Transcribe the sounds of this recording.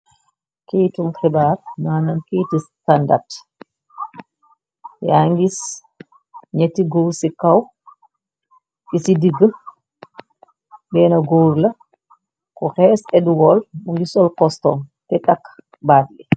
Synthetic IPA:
kejtumxɛbaːɾ̚naːnɐnkitistanda̰ɾt | jaŋɡis | ɲɛtːiɡowsikaw | ɡisidiɡə | bɛːnɐɡoːɾlɐ | kɔxɛːsɛduwɔlmuŋɡisɔlkɔstɔmtɛtakː | baːdlɛ

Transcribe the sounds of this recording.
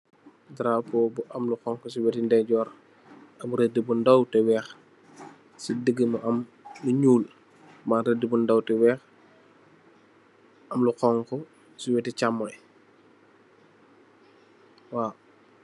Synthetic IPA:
dɾapɔbuʔɐmluxɔŋkɔsiwɛtindɛɟɔːɾ | ɐbuɾɛdəbundɐwtɛwɛːx | sidəɡːəmɐʔɐmː | uɲuːl | manɾɛdəbundɐwtɛwɛːx | ʔɐmluxɔŋkɔ | siwɛtit͡ʃamːɐɛ | wa

